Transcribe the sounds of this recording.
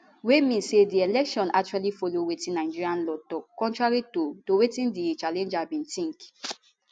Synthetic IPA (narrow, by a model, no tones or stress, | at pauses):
wemĩnsedielɛkʃɔ̃na̰k̚t͡ʃualifolowetĩnaɪd͡ʒiɹiãnlɔtɔkkːɔ̃ntɹaɹitotowetĩndit͡ʃalɛ̃nd͡ʒabĩntĩŋk